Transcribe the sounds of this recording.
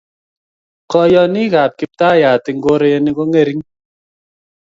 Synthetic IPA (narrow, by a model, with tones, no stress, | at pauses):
kɔ˦jɔ˦ni˦ka˨p̚ki˦p̚taː˦˨ja˨ti˨ŋ̩˦ɡo˦ɾe˦je˧ni˦kɔ˦ŋe˦˨ɾi˦ŋ